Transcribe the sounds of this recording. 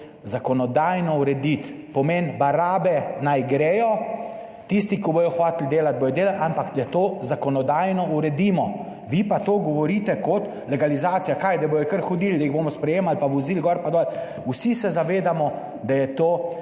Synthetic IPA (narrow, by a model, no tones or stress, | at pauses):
zakɔnɔd̪aːjnɔuɾɛd̪it̪ | pɔmenbaɾaːbɛnajɡɾeːjɔ | t̪is̬t̪ikiboːjɔxʋaːt̪ld̪eːlat̪̚boːjɔd̪eːlalʔampakd̪at̪oːzakɔnɔd̪aːjnɔuɾɛd̪iːmɔ | ʋipat̪oːɡɔʋɔɾiːt̪ɛkɔt̪ | lɛɡalizaːt̪sijakajd̪aboːjɔkəɾxɔd̪iːld̪ɐiɣboːmɔspɾɛjeːmalpaʋɔziːlɡɔɾpad̪ɔːl | wsisɛzaʋeːd̪amɔ | d̪ajɛt̪oː